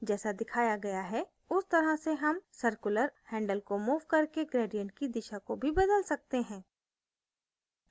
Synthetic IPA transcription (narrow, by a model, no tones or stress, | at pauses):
d͡ʒɛːsad̪ɪkʰaːjaɡɐjaɦɛ | ʊst̪ɐɾaseɦɐmsɐɾkʊləɾhɛ̃ːɳɖəlkomuːʋkɐɾkeɡɾeːɖijə̃ɳʈ̚kid̪ɪʃakobʱibɐd̪əlsɐk̚t̪eɦɛ̃ː